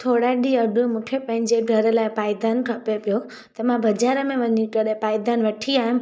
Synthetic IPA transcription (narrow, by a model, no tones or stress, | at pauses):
t̪ʰoɽaɗiɐɖũmũkʰepɐ̃ɦɪ̃ɲd͡ʑeɡʱɐɾəlaːɪpaːjd̪anʈʰɐpepijo | t̪ɐmãbɐd͡ʑaːɾəmẽʋɐɲikɐɗẽpaːjd̪anʋɐʈʰiaːɦĩm